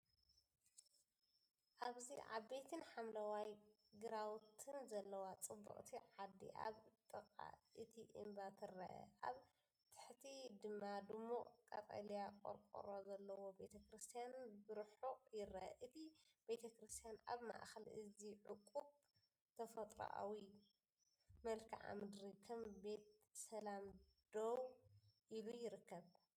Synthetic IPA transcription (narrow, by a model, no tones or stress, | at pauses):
ʔaβziʕa̰βbe̞t̪ʰɨnħamlɐwaj | ɡɨɾawt̪ʰɨnzɐlːɐwat͡sʼɨbːɐ̰qʼt̪ʰiʕad̪ḭʔa̰βt̪ʼɨqʼa̰ʔɨt̪ʰiʔɨ̰mbat̪ʰɨɾɐʔɐ̰ʔaβ | t̪ʰɨ̥ħt̪ʰid̪ɨmːad̪ɨmːuʔʼkʼɐt̪ʼɐ̰lijakʼo̰ɾkʼo̰ɾozɐlːɐwo̞be̞t̪ʰɐkɾɨst̪ʰijanbɨɾħoʔʼjɪrɐʔɐ̰ʔɨt̪ʰib̥e̞t̪ʰɐkɾɨst̪ʰijanʔa̰βma̰ʔxɐlʔɨziʕʊkʼːuβ | t̪ʰɐfɐt̪ʼɾo̰ʔa̰wi | mɐlkʰiʕa̰mɨd̪ɾikʰɐmbe̞t̪sɐlamd̪̥owʔilujɪɾɨkːɐβ